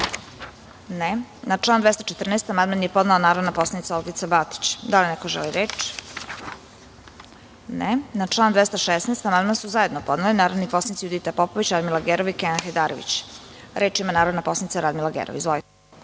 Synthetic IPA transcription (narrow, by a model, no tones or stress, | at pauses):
nenat͡ʂlˠaːnd̪ʋest̪at͡ʃet̪rneːst̪amand̪manjepo̞znaonaːɾod̪napo̞slˠanit̪saolɡit̪sabat̪i̥t͡ɕd̪alinɛkoʒḛliɾeːt͡ʃ | nenat͡ʂlˠaːnd̪ʋest̪aʃesnest̪amand̪mansuzaje̞d̪nopo̞d̪nalinaːɾod̪niposanit̪sijud̪it̪apopoʋit͡ɕɾad̪milˠaɡeɾoʋikeanxed̪aːɾoʋḭt͡ɕ | ɾe̞ːt͡ʃimanaːɾod̪napo̞slˠanit̪saɾad̪milˠaɡḛɾoʋḭzʋolit̪ɛ̥